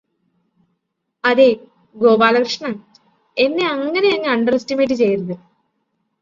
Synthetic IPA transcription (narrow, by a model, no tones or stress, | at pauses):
ɐðeː | ɡo̞ːbaːlɐkrɨʂɐɳɐm | e̞nːe̞ɐŋːɐne̞ɐŋːɨɐɳɖɐrestimeːʈ̬ːɨt͡ɕe̞jɾɐðɨ